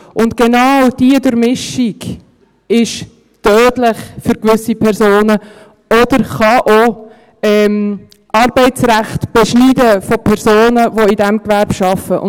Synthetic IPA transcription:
ʊntɡ̥enɑwd̥iədʊɾmɪʃiɡ | ɪʃ | tœːdlɪχfyɾkʋʏsipʰɛɾzoːnə | ɔdəɾχɑʔo | ɛm | ʔɑɾbɛɪtt͡sɾæχtb̥ɛʃniːdəfopʰɛɾzoːnəvoidæmkʋæɾb̥ʃɑfəʔʊ̰

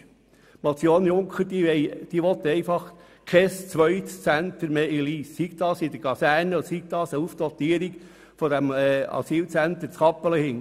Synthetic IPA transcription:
mot͡sjoːnjʊŋkχəɾd̥iʋɛɪd̥iʋɔt̪əɛɪfɑχ | kʰɛst͡sʋœʏtt͡sænt̪əɾmeːiliːssikd̥̪ɑːsɪd̥̪əɡ̥ɑsæɾnəɔd̪əsiɡtdɑːsəufd̥̪ɔt̪iːəɾik | fɔd̪æmɑ̰siːlt͡sænt̪əɾt͡skɑpːələhɪn

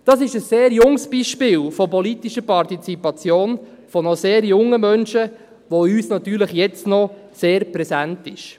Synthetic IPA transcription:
d̥ɑsɪʃəsːeːɾjʊŋsb̥iːʃpɪːlfɔpɔlit̪iʃəpɑrtit͡sipɑt͡sjoːn | fɔnɔseːɾjʊŋːəmœnʃə | ʋoyːsnɑt̪yːɾləχjɛt͡stnɔseːɾpɾɛsæntɪʃ

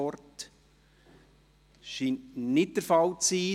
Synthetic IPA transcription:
ɔrt | ʃiːnnɪt̚d̥əɾfɑwt͡siː

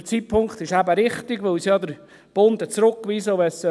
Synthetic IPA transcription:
t͡sitpʰʊŋkt̪ɪʃæbəɾɪχt̪ɪɡʋɵwsjɑd̪əɾ | b̥ond̪ət͡sɾʊkːʋisəʊʋɛsə

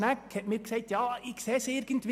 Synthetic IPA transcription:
nækhɛtmiːɾksɛɪtjɑːɪkseːsɪɾɡ̥ən̩t̪ʋi

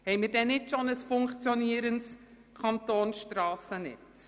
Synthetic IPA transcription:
hɛɪmɪɾdɛnɪtʃonəsfʊŋkt͡sjɔniːəɾənts | kʰɑntoːnʃtɾɑːsənɪ̰t

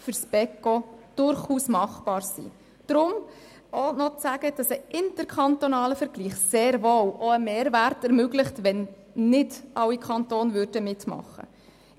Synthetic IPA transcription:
fʏɾsb̥ɛkːod̥ʊɾχuːsmɑχb̥ɑːɾsḭ | d̥ɾʊm | onɔt͡sæɡ̥əd̥ɑsəʔɪntəɾkʰɑnt̪ɔnɑːləfəɾɡ̥liːχseːɾvoːwʔɔəmeːɾværtɛɾmøɡlɪχtʋɛnː | ɪd̥ʔɑwikʰɑntoːnvʏɾd̥əmɪtmɑ̰χːə̰

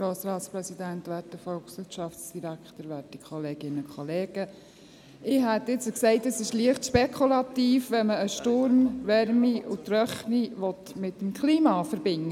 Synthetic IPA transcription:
ɾoːsɾɑːtspɾɛsidæntʋæːtdəfɔlksʋɪʃɑftsd̥iɾækχtəɾʋæːtikʰχɔleːɡ̥ɪnəʊkχɔleːɡ̥ə | ɪːɦɛt̪ɪt͡səksɛɪtəsɪʃliəχtʃpɛkʰulɑt̪iːfʋɛnməəʃtʊɾmʋɛɾmiʔutɾœχniʋɔt̪mɪtːəmkχliːmɑfəɾbɪŋːə

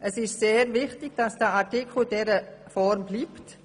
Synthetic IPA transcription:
ʔəsɪʃseːɾvɪχtɪɡ̥̚d̥ɑsd̥əatikʰl̩d̥ɛɾəfɔɾmbliːpt

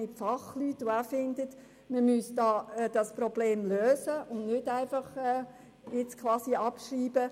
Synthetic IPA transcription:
ɪtfɑχlyːtʊæːfɪnd̪ət | məmysd̥ɑːɛd̥ɑsprɔbleːmløːsəʊnnʏtæɪfɑχɛː | jɪt͡skʰlɑːsiɑpʃriːbə

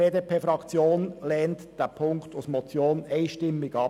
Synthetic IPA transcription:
eːdeːpʰeːfɾɑkt͡sjoːnlɛːntd̥ɛpʰʊŋkt̪usmɔt͡sjoːnɛɪʃtɪmːɪɡɑ

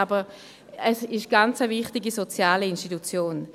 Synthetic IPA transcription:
abə | ɛsɪʃɡ̥ant͡səvɪχtɪɡisot͡sjaːliinʃtitut͡sjoːn

